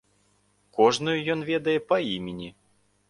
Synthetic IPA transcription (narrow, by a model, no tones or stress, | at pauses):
kɔʐnujujɔnvʲɛd̪ɐjɛpɐimʲenʲi